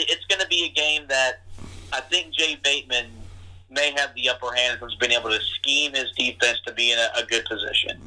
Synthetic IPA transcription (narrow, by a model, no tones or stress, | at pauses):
ɪtsɡ̥ʌnɨbiɨɡẽɪ̃mðɨɾ̚aɪθɪ̃ŋk̚d̥ʒ̥eɪbeɪt̚mɨ̃n | meɪɨvðiʌpə˞hæ̃nd̚ə̃nzbiɨ̃ŋeɪbl̩ˠtɨskĩmɪzdifɛ̃nstʰɨbiɨ̃nɨʔəɡʊd̚pʰɨzɪ̰ʃɨ̰̃n